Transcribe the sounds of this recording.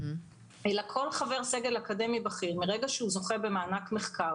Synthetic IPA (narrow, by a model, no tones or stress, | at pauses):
ʔelakʰo̞lχave̞ʁseɡe̞lakade̞mibaχiʁmiʁeɡaʃehuzo̞χebe̞maːnakmeχkaʁ